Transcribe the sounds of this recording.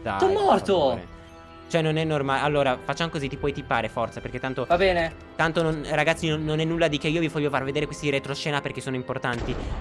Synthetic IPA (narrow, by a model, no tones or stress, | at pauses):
za̰ɔmːɔrtt̪oɛ̰ | t͡ʃoɛnːonɛnːormaalːoːɾafat͡ʃːamokozit̪ipwɔjt̪ipːaːɾefɔrt̪sapeɾrk̟et̪ːant̪ovabɛːne | t̪ant̪ononraɡat̪sinonːonɛnːulːad̪ik̟eiːovivɔʎːofarved̪eːɾekwest̪iiɾet̪ɾoʃɛːnaperk̟esːoːnoimport̪ant̪i